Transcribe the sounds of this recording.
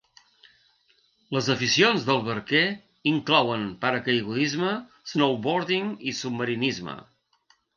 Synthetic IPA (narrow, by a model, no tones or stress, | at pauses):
ləzəfisionzðəlˠβəɾke | iŋklɔwənpaɾəkəjɣuðizmə | znowβoɾðiŋisub̚məɾinizmə̰